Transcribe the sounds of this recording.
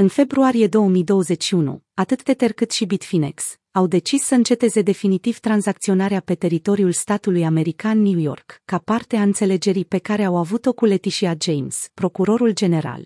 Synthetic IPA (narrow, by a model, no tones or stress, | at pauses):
ɨnfe̞bɾuaɾije̞d̪o̞wəmijd̪o̞wəze̞t͡ʃʲʃiunṵat̪ɨt̪d̪e̞t̪erkɨt̪ʃibit̪fineks | awd̪e̞t͡ʃisːəɨnt͡ʃe̞t̪e̞ze̞d̪e̞finit̪iv̥t̪ɾanzakt̪sio̞naɾeape̞t̪e̞ɾit̪o̞ɾiulst̪at̪ulujame̞ɾikanːjujo̞̰rkːapart̪eaɨnt̪se̞le̞d͡ʒe̞ɾipe̞kaɾe̞awavut̪o̞kule̞t̪iʃiad͡ʒejmspɾo̞kuɾo̞ɾuld͡ʒe̞ne̞ɾa̰l